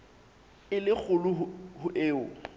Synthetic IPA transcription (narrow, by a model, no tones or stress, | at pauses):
ɪlɪk͡xʰʊlʊɦʊhʊʔeːʊ